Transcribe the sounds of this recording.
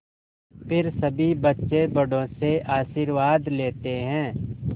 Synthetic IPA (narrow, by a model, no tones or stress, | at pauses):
pɪɾsɐbʱibɐtːʃebɐɽõseʔaːʃiːɾwaːd̪leːt̪eɦɛ̃ː